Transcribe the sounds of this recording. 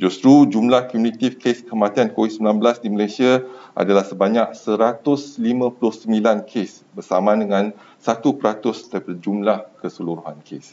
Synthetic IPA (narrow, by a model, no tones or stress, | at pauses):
d͡ʒust̪ɾud͡ʒumlahkmunĩt̪ifkeskəmãt̪iankowit̪̚səmbilanbəlasdiməlesiaa̰dalahsəbaɲak̚səɾat̪ʊslimãpulʊhsəmbilankʰes | bərsamãdəŋãn | sat̪upəɾat̪ʊst̪aɾipadad͡ʒumlahkəsəluɾuɦankʰḛs